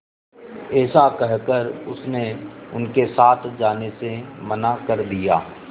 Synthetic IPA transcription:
ɛːsakɛɦkəɾʊsneʊnkesaːt̪ʰd͡ʒaːnesemɐnakɐɾd̪ijaː

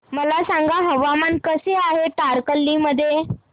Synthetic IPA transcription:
məlasaŋɡaɦəʋamankəseaɦeʈaɾkəlːiməd̪ʱːje

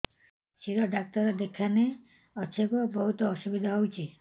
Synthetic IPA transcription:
ʃiɾɔɖak̚t̪ɔɾɔd̪ekʰane | ɔt͡ʃʰekɔbɔɦut̪ɔːʃubid̪ʱaɦowt͡ʃʰi

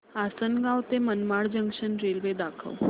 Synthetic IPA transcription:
asənɡawt̪emənmaɭd͡ʑəŋɡɕənɾelʋed̪akʰə̰ʋ

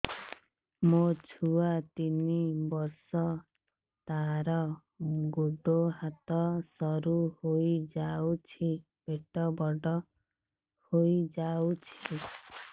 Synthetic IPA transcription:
mot͡ʃʰuat̪inibɔɾsɔ | t̪aɾɔ | ɡud̪oɦat̪ɔsɔɾuhojd͡ʒawt͡ʃʰi | beʈɔbɔɖɔ | hojd͡ʒawt͡ʃʰi

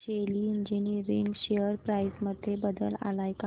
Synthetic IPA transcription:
eliiɲd͡ʑiniɾiŋɡɕeəɾpɾajsməd̪ʱːjebəd̪əla̰lajka

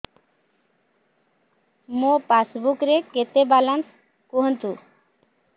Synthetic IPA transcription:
mopasbukɾeket̪ebalans | koɦənt̪u

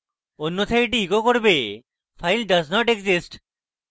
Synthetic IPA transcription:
onːot̪ʰajʈ̬iːkokoɾbe | fʰajlɖɐznɔʈeɡzisʈ

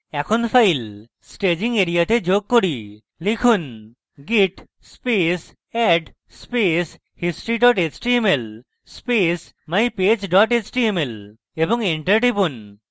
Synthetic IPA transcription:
ɛkʰonfʰajl | sʈed͡ʑiŋɡeɾijat̪ed͡ʑoɡ̚koɽi | likʰun | ɡiʈ | spes | ɛɖ | spes | hisʈɾiɖɔʈet͡ʃʈiemel | spes | majped͡ʑɖɔʈet͡ɕʈiemel | eboŋeɳʈəɾʈipun

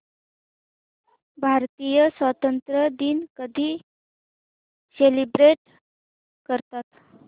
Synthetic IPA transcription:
bʱaɾt̪ijəsʋət̪ənt̪ɾəd̪iːnkəd̪ʱiː | selibɾeʈ | kəɾt̪at̪

